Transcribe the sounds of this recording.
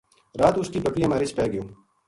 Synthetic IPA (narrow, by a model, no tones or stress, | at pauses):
ɾaːt̪ʊskipɐkɾiɦɐmaːɾit͡ʃʰpɛːɡəjõː